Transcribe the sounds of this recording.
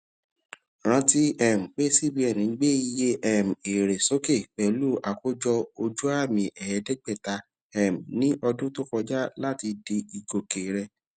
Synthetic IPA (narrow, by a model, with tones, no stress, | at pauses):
ɾ̃ã˧ti˦ɛ˨m̩˨k͡pe˦si˦˨bi˧˦ɛ˦˨nĩ˨˦ɡ͡be˦i˧je˦ʔɛ˦˨m̩˨e˨ɾe˨so˨˦ke˦˨k͡pɛ˨lu˦˨ʔa˨ko˦d͡ʒɔ˧o˧d͡ʒu˦a˦˨mĩ˨ʔɛ˨ɛ˨˦dɛ˦ɡ͡bɛ˦˨ta˨˧ | ɛ˦˨m̩˨nĩ˦ʔɔ˧dũ˦to˦kɔ˧d͡ʒa˦la˦˨ti˧di˧i˨ɡo˨ke˨ɾɛ˧˨